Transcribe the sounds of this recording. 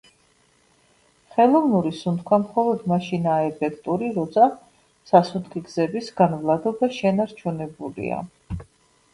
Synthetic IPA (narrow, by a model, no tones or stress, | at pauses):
χɛlˠɔvnuɾisunt̪̚kʰwamχɔlˠɔd̪maʃinaːɛpʰɛkʰt̪ʼuɾiɾɔt̪sʰa | sasut̪ʰkiɡzɛbisɡanvlˠad̪ɔbaʃɛnaɾt͡ʃʰunɛbulḭa̰